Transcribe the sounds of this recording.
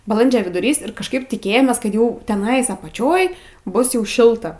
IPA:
bɐˈlˠɐnʲd͡ʒʲoː ʋʲɪdʊˈrʲiːs ɪr kɐʃˈkɐɪp tʲɪˈkʲeːjoːmʲeːs ˈkɐt ˈjɛʊ tʲɛˈnɐɪs ɐpɐˈt͡ʃʲoːj ˈbʊs jɛʊ ˈʃʲɪlˠtɐ

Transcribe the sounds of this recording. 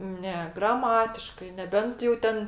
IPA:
ˈnʲɛ ɡrɐˈmɑːtʲɪʃkɐɪ nʲɛˈbʲɛnt jɛʊ ˈtʲɛn

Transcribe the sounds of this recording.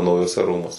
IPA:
nɐʊjuɔˈsʲɛ ˈruːmuɔsʲɛ

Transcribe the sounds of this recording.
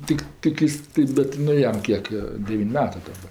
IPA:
ˈtʲɪk ˈtʲɪk ɪs tɐɪ ˈbʲɛt nʊ ˈjɛm ˈkʲiɛk joː ˈdʲæːʋʲiːnʲ ˈmʲæːtɜ dɐˈbɐ

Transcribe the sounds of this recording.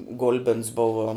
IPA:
ˈɡʊlʲbʲɪns ˈbʊʋoː

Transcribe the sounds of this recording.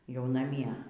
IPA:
jɛʊ nɐˈmʲiɛ

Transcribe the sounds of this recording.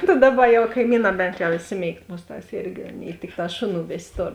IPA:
tɐ ˈdɑːˌbɐ jɛʊ kɐɪˈmʲiːˌnɑː ˈbʲɛnt jɛʊ ɪʃʲˈsʲɪˌmʲeːɪkt ˈmʊsˌtɑːs ˈɪrʲɡʲɪ ˈɑːˌnʲeːɪ ˈtʲɪkˌtɑː ˈʃoːˌnuː ˈʋʲeːsʲ ˈtoːr

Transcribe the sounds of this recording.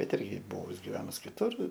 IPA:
bʲɛt ˈɪrʲɡʲɪ ˈbʊʋʊs ɡʲɪʋʲɛnʊs kʲɪˈtʊr

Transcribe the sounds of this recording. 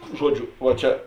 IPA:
ˈʒuɔˌd͡ʒʲʊ ʋɐ ˈt͡ʃʲɛ

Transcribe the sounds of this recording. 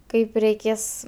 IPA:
ˈkɐɪp rʲɛɪˈkʲeːs

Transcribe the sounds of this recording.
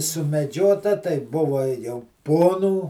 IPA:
sʊmʲɛˈd͡ʒʲoːtɐ tɐɪ ˈbʊʋɐ jɛʊ ˈpoːnuː

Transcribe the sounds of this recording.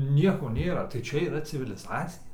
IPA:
ˈnʲiɛkoː ˈnʲeːrɐ tɐɪ ˈt͡ʃʲɛ iːˈrɐ t͡sʲɪʋʲɪlʲɪˈzɑːt͡sʲɪjɛ

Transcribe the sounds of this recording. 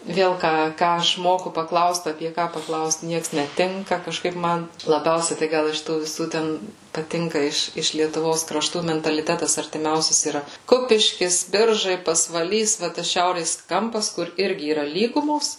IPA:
ˈʋʲeːlˠ ˈkɑː ˈkɑː ɐʃ ˈmoːkʊ pɐˈklˠɐʊst ɐpʲiɛ ˈkɑː pɐˈklˠɐʊst ˈnʲiɛks nʲɛˈtʲɪŋkɐ kɐʃˈkɐɪp ˈmɐn lˠɐˈbʲɛʊsʲɛɪ tɐɪ ˈɡɐlˠ ɪʃ ˈtuː ʋʲɪˈsuː ˈtʲɛn pɐˈtʲɪŋkɐ ˈɪʃ ɪʃ lʲiɛtʊˈʋoːs krɐˈʃtuː mʲɛntɐlʲɪˈtʲæːtɐs ɐrʲtʲɪˈmʲɛʊsʲɛs iːrɐ ˈkʊpʲɪʃʲkʲɪs ˈbʲɪrʒɐɪ pɐsʋɐˈlʲiːs ʋɐ ˈtɐs ˈʃʲɛʊrʲeːs ˈkɐmpɐs kʊr ˈɪrʲɡʲɪ iːˈrɐ ˈlʲiːɡʊmoːs

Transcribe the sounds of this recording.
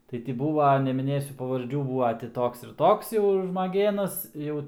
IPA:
ˈtɐɪ tʲɪ ˈbuːʋɐ nʲɛmʲɪˈnʲeːsʲʊ pɐʋɐrʲˈd͡ʒʲuː ˈbuːʋɐ tʲɪ ˈtoːks ɪr ˈtoːks jɛʊ ʒmɐˈɡʲeːnɐs ˈjɛʊ

